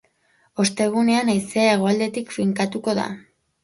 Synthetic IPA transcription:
o̞st̪e̞ɣ̞une̞anajseaeɣ̞o̞ald̪e̞t̪ikfiŋkat̪uko̞ða̰

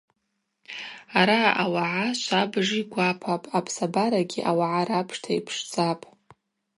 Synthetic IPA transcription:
aɾaawaʕaʃʷabʐiɡʷapʰapʼapʰsabaɾaɡʲiʔawaʕaɾapʰʂtʰaipʰʂd͡zapʼ

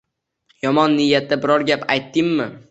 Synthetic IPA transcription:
jɒmɒnːɪjːat̪ːabɪɾɒɾɡʲapajt̪ːɪmːɪ

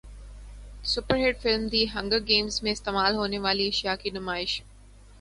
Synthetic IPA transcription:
sʊpəɾɦeːɖfɪlmd̪iːɦɐ̃ŋɡəɡeːmzmẽɪst̪eːmaːlɦoːneʋaːliɪʃjaːkinʊmaːɪʃ

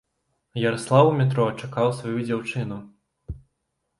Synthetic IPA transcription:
jɐɾɐslˠawmʲɛt̪̬ɾɔt͡ʂakawsvɔjud͡zʲawt͡ʂɨn̪u

